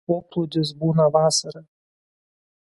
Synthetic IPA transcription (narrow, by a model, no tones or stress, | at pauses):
poːplˠʊd̪ʲɪs̬buːnɐʋɑːsɐɾɐ